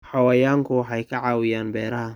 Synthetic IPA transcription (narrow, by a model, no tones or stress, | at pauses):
ħɑwajaːŋkʰʊwħɑjkʰɐʕɑːwɪjaːnbɛːɾɐɦɐ